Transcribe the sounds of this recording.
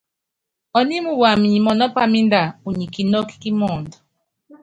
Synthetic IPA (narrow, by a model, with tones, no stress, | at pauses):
ɔ˨ni˦mu˦wa˨mi˨ɲi˨mɔ˨nɔ˦pa˦mi˦n˦da˨u˨ɲi˨ki˨nɔ˦ki̥˦ki˦mɔ˦˨ndɔ˨